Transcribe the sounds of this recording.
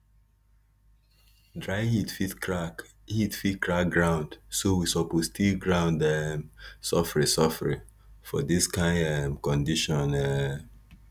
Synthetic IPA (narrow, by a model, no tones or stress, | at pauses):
dɹaɪhitfit | hitfitkɹak̚ɡɹãʊ̃ndsowisɔpostilɡɹãʊ̃ndɛmsɔfɹĩsɔfɹĩ | fɔdiskãɪ̃ndɛmkɔ̃ndiʃɔ̃nɛ